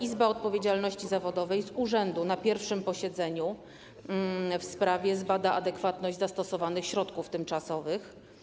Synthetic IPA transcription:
izbaɔt̪̚pɔvʲjed͡ʑalnɔɕt͡ɕizavɔd̪ɔvɛjzuʐɛnd̪unapʲjɛɾfʂɘmpɔɕɛd̪zɛɲu | fspɾavʲjɛzbad̪aʔad̪ɛkfat̪nɔʑd͡ʑʲzast̪ɔsɔvanɘxɕɾɔt̪kuft̪ɘmt͡ʂasɔvɘx

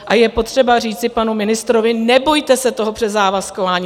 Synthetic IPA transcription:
ʔajɛpo̞t̪r̝̥ɛbar̝iːt͡sɪpanumɪnɪst̪ɾo̞vɪnɛbo̞jt̪ɛsɛt̪o̞ɦopr̝̥ɛzaːvaskovaːɲː

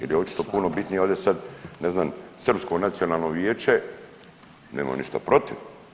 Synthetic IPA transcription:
jeljeot͡ʃi̥t̪o̞puno̞bit̪nijoːd̪jesad̪neznamsr̩pskonat̪sijonalˠnoʋjeːt͡ʃe | nḛːma̰mniʃt̪a̰pɾo̞t̪iʋ

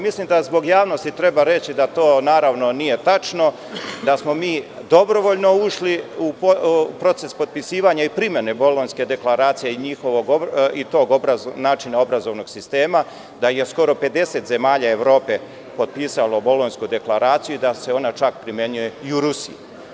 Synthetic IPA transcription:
mislimd̪azbo̞ɡjaːʋno̞st̪it̪ɾe̞baɾe̞t͡ɕid̪at̪o̞ːnaːɾaʋno̞nije̞t̪at͡ʃno̞ | d̪asmo̞miːd̪o̞bɾoʋo̞ʎno̞uʃliuppɾo̞t̪e̞spo̞t̪̚pisiːʋaɲaipɾimje̞nebolonske̞d̪e̞klaɾaːt̪sijeiɲixo̞ʋoɡoit̪o̞ːɡobɾanaːt͡ʃinao̞bɾazo̞ʋno̞ɡsist̪e̞ːma | d̪aje̞sko̞ɾo̞pe̞d̪e̞se̞t̪ze̞maːʎae̞ʋɾo̞ːpe̞ | po̞t̪̚piːsalo̞bo̞lˠonskud̪e̞klˠaɾaːt̪sijuid̪ase̞o̞nat͡ʃakpɾimjeɲuje̞iuɾusḭju

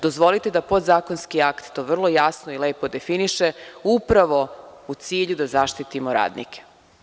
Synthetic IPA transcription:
d̪o̞zʋo̞lit̪ed̪apo̞d̪zaːko̞nskiakt̪t̪ːo̞ːʋr̩lˠo̞jasnoile̞ːpo̞d̪e̞finiʃeupɾaʋo̞ut̪siːʎud̪azaʃt̪it̪imoɾa̰ːd̪nḭke̥

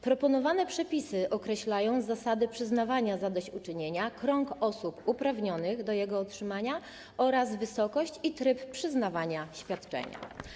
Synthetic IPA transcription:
pɾɔpɔnɔvanɛpʂɛpʲisɘʔɔkɾɛɕlajɔ̃w̃zasad̪ɘpʂɘznavaɲazad̪ɔɕt͡ɕut͡ʂɘɲeɲakɾɔŋkɔsupupɾavɲɔnɘɣd̪ɔjɛɡɔɔtʂɘmaɲa | ʔɔɾazvɘsɔkɔɕt͡ɕit̪ɾɘppʂɘznavaɲaɕfʲjat̪t͡ʂɛ̰ɲa̰

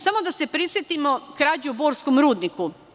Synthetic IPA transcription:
samo̞d̪ase̞pɾisjet̪imo̞kɾaːd͡ʑuubo̞ːɾskomɾuːd̪niku

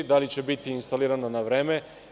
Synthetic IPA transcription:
d̪alit͡ɕe̞bit̪iːnst̪aliːɾananaʋɾe̞ːme̞

